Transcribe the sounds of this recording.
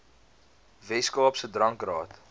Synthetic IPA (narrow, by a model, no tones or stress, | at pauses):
vɛskɑːpsədrɐŋkrɑːt